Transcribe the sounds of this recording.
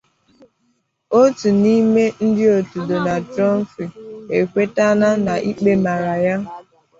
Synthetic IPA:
o˦tu˨ni˦me˦n̩˦dɪ˦o˨tu˨do˨na˨dɾɔ˦m̩˦fi˨e˨kʷe˦ta˦na˦na˨ʔi˦k͡pe˦ma˨ɾa˨ja˦

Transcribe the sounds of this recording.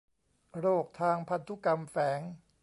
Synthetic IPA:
ɾoː˥˩k̚t̪ʰaː˧ŋpʰa˧nt̪ʰu˦˥ka˧mfɛː˩˦ŋ

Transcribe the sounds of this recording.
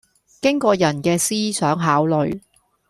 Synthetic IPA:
kɪ˥ŋkɔː˧jɐ˨˩nkɛː˧siː˥sœː˨˥ŋɦaː˨˥wlɵ˨˧ɥ

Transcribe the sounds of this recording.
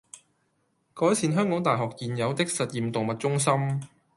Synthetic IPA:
kɔː˨˥jsiː˨˧nɦœː˥ŋkɔː˨˥ŋt̪aː˨jɦɔː˨k̚jiː˨njɐ˨˧wt̪ɪ˥k̚sɐ˨t̚jiː˨˩mt̪ʊ˨ŋmɐ˨˩t̚t͡sʊ˥ŋs̬ɐ˥m

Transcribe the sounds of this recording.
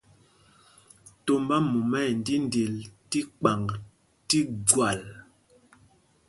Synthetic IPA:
to˨mba˦mu˨mɛ˦˨n˨di˦n˦de˨lti˦k͡pa˨ŋ | ti˦ɡwa˨l

